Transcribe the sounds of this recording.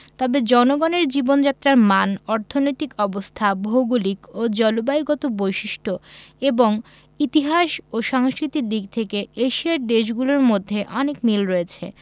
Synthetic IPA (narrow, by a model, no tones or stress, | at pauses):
t̪ɔbed͡ʑɔnoɡɔneɾd͡ʑibond͡ʑat̪ːɾaɾmanɔɾt̪ʰonojt̪ikɔbost̪ʰaboɡulikod͡ʑɔlobaiɡɔt̪obojʃiʃʈʰoeboŋ | it̪iɦaʃoʃaŋskɾit̪id̪iɡ̚t̪ʰekeeʃiaɾd̪eʃ̬ɡuloɾmod̪ʱːeʔɔnekmilɾoet͡ɕʰḛ